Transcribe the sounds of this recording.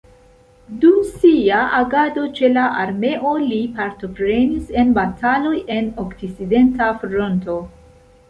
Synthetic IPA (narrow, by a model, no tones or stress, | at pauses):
dumsiaʔaɡado̞t͡ʃe̞laʔaɾme̞ʔo̞lipaɾto̞pɾe̞nise̞nbatʰalo̞je̞nokt͡siside̞ntafɾo̞nto̞